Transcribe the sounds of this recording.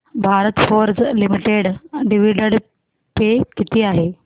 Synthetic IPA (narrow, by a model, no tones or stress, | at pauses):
bʱaɾət̪foɾd͡zlimiʈeɽɖiʋiɖəɽ | pekit̪ʰiːaɦe